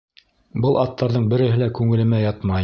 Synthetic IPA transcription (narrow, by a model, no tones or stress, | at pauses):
bɤlˠɑt̪ʰːɑɾðɤɴbɘ̆ɾɘ̆ɦɘlækʉŋɘ̆lɘ̆mæjɑt̪mɑj